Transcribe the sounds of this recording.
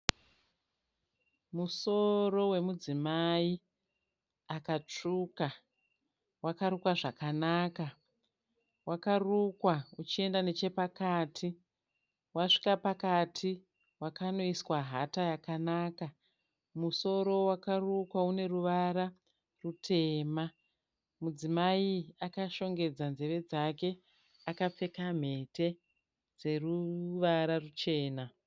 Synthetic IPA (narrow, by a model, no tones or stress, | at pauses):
muso̞ro̞we̞mud͡zimai | akat͡ʂuka | wakaɾukwaʐakanaːka | wakarukwaut͡ʃie̞ndane̞t͡ʃe̞pakaːtʰi | waʂi̥kapakatʰi | wakano̞iswaɦatajakanaːka | muso̞ɾo̞wakarukwaune̞ruʋaɾa | rutʰe̞ːma | mud͡zimaiakaʃo̞ŋɡe̞d͡zanzeʋe̞d͡zake̞ | akap͡fe̞kam̤e̞te̞ | d͡ze̞ruʋaɾarut͡ʃe̞ːna